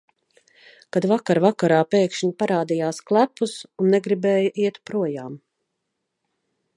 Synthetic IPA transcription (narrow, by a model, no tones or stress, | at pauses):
kad̪vakaɾvakaɾaːpɛːkʃɲpaɾaːd̪ijaːsklˠæpːusunːɛɡɾibɛːjɐʔiɛt̪pɾuɔjaːm